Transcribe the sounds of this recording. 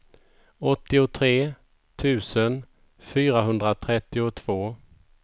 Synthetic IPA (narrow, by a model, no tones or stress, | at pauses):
ɔt̪ːɪʊt̪ʰɾeː | t̪ʰʉ̟ːsən | fyːɾaɦɵnd̪ɾat̪ʰɾɛt̪ːɪʊt̪ʰv̥oː